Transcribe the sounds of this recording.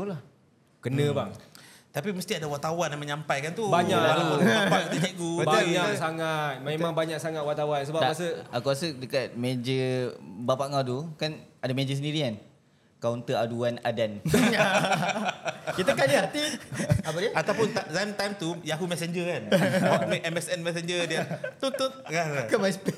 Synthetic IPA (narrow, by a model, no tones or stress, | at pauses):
ula | kənnə̃baŋ | t̪apiməst̪iadawat̪awanaməɲampajkant̪ubaɲakapakət̪əɛʔɡubaɲasaŋat̪̚memaŋbaɲak̚saŋat̪̚wat̪awansəbaasəakuasədəkat̪̚mẽd͡ʒəbapaʔŋadukanadamẽd͡ʒəs̬əndiɾikan | kawnt̪əaduana̰danɲa | kit̪əkadiɦat̪iapadiaat̪awpʊnt̪azamt̪ajmt̪ujaɦumɛsɛɲd͡ʒəkanmʔɛmɛsɛnmɛs̬end͡ʒədiat̪unt̪ʊt̪̚kakamaspe